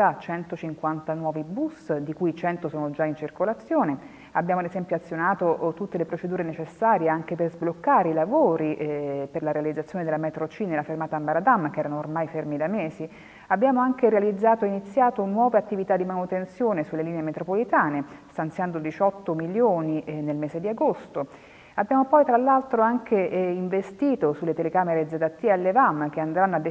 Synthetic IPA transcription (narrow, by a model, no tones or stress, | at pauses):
at͡ʃɛnt̪ot͡ʃiŋkwant̪anwɔːvibusd̪ikujt͡ʃɛnt̪osoːnod͡ʒaint͡ʃirkolat̪sːjoːne | abjaːmoad̪ezɛmpjoat̪sːjonaːt̪oʔt̪ut̪ːelepɾot͡ʃed̪uːɾenet͡ʃesːaːɾjeaŋkeperzblokːaːɾeilavoːɾiperlaɾealid̪zːat̪sjoned̪elamɛt̪ɾot͡ʃinelafermaːt̪ambaɾad̪amːkɛːɾanoːrmajfermid̪ameːsi | abːjaːmoaŋkeɾealid̪zːaːt̪oinit̪sːjaːt̪onwɔːveat̪ːivit̪ad̪imanut̪ensjoːnesulːeliːneemet̪ɾopolit̪aːnest̪ant̪sjand̪od̪it͡ʃɔt̪ːomiljoːninelmɛːsed̪iaɡost̪o | abːjaːmopɔjt̪ɾalːalt̪ɾoaŋkʰeiɱvest̪iːt̪osulːet̪elekaːmeɾed̪zed̪at̪ːialːevamːk̟eand̪ɾanːoad̪ːe